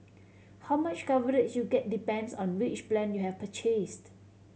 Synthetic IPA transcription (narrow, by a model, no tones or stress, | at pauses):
hawmat͡ʃkavəɹɪd͡ʒjuɡɛt̚dipɛ̃ndsɔ̃nwɪt͡ʃplɛ̃njuhɛfpʰət͡ʃest